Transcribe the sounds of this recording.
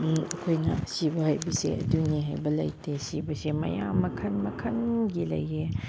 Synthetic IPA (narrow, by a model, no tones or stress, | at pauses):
ɐkʰojnɐ̰sibɐhajbisḛɐduniɦajbɐlɐ̰jtesibɐsemɐ̰ja̰mːɐkʰɐnmɐkʰɐnɡilɐ̰je